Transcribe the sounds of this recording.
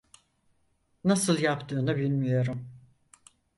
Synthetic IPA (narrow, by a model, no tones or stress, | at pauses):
nasɯlˠjapt̪ʰɯːnɯbilʲmijo̞ɾum